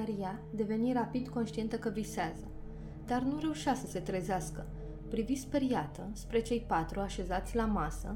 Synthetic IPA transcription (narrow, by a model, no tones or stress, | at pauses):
aɾijad̪e̞ve̞niɾapid̪ko̞nʃt̪ie̞nt̪əkəviseazə | d̪arnuɾe̞uʃasəse̞t̪ɾezeaskə | pɾivispe̞ɾijat̪əspɾe̞t͡ʃe̞jpat̪ɾuaʃe̞zat̪sʲlamasə